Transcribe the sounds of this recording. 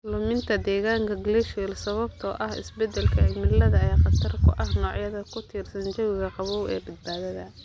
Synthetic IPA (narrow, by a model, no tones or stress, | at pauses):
lʊmɪnt̪ʰɐd̪ɛːɣaːŋkʰɐɡlɛʃwɛlsɐβɐbt̪ʰɔːʔɐhɪ̰sbɛd̪ɛlkʰɐɛmɪlːɐðɐɛjqɑt̪ʰɐrkʰʊ̰ʔɐhnɔːʕjɐðɐkʰʊt̪ʰiːrsɐnt͡ʃɐwɪɣɐqɑβɔwɛ̰ːbɐd̪̚baːðɐðɐ